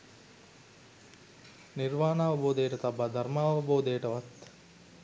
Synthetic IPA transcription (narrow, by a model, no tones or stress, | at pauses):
niɾʋaːnaːʋɐboːd̪əjəʈət̪abːad̪ʱɐɾmaːʋɐboːd̪əjəʈəʋɐt̪